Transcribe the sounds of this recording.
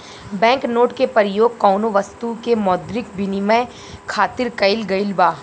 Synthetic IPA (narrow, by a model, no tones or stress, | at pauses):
bɛ̃ːŋknoːʈkepəɾjoːɡ̚kɔːnoʋɐst̪ukemɔːd̪ɾɪkbʱɪniməj | kʰaːt̪ɪɾkɐɪlɡɐɪlbaː